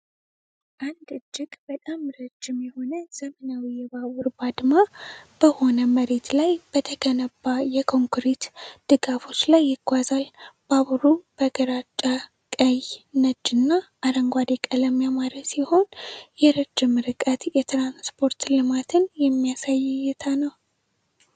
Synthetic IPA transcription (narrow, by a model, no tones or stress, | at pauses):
ʔand̪ɨd͡ʒːɪɡbət̪ʼamɾəd͡ʒːɪmjɛho̞nəz̥əmənawijɛβawʊɾbad̪mab̥əho̞nəməɾe̞t̪lajb̥ət̪ʰəkʰənəbːajɛkʰo̞ŋkɾet̪d̪̥ɨɡafo̞t͡ʃːlajːɪɡ̥ʷazalb̥aβɾub̥əɡəɾat͡ʃʼːa | kʼəjnəd͡ʒɨnːaːɾəŋɡʷad̪ekʼələmːijamaɾəsiho̞njɛɾəd͡ʒːɪmɨɾɨkʼət̪jɛt̪ɾanspʰo̞ɾt̪lɨmat̪ʰɨnjɛmːijasajːjɛt̪ʰanəw